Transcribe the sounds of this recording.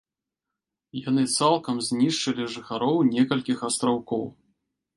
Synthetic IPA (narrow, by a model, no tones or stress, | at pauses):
jan̪ɨt̪salˠkɐmzʲnʲiʂt͡ʂɨlʲiʐɨxaɾɔwnʲɛkɐlʲkʲixɐst̪ɾawkɔw